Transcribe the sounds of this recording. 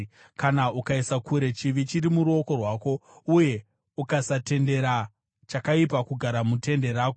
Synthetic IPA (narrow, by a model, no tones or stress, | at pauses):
kanaukaisakuɾe̞t͡ʃiʋit͡ʃiɾimuɾuo̞ko̞rwaːko̞uje̞ | ukasate̞nde̞ɾa | t͡ʃakaipakuɡʱaɾamute̞nde̞ɾaːko